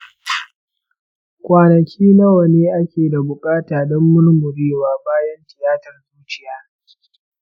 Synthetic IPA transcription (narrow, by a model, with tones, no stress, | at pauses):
kʷʼaː˨nɐ˨kʲʰiː˦nɐ˦wɐ˨neː˦ʔa˦kʲeː˨da˨bʊ˨kʼaː˦taː˨ɗɔ˦mːʊ˦n˦mʊ˨ɾeː˦waː˨baː˦jɐ˦ntɪ˨jaː˦tɐ˨rzuː˦t͡ʃɪ˦jaː˦